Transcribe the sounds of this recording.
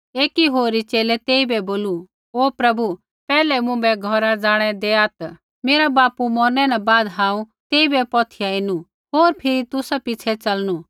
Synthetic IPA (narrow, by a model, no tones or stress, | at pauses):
eːkiɦoːɾit͡ʃeːlɛt̪eːibɛboːlu | oːpɾɐbu | pɛːlɛmʊ̃bɛɡʱɔɾad͡zaːɽ̃ɛd̪eaːt̪ | meːɾabaːpumɔːɾnɛnabaːd̪ɦãːũ | t̪eːibɛpɔːt̪ʰɪjaɪnu | ɦoːɾpʰɪɾit̪ʊsapɪt͡ʃʰɛt͡sɐlnu